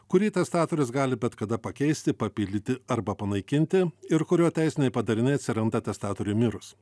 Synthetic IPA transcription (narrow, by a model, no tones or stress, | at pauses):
kʊɾʲiːt̪ʲɛst̪ɑːt̪oɾʲɪsɡɑːlʲɪbʲɛt̪kɐd̪ɐpɐkʲɛɪsʲt̪ʲɪpɐpʲɪːlʲd̪ʲt̪ʲɪɐɾbɐpɐnɐɪkʲɪnʲt̪ʲɪɪɾkʊɾʲoːt̪ʲæɪsʲɪnʲɛɪpɐd̪ɐɾʲɪnʲɛɪt̪sʲɪɾɐnd̪ɐt̪ʲɛst̪ɑːt̪oɾʲumʲɪɾʊs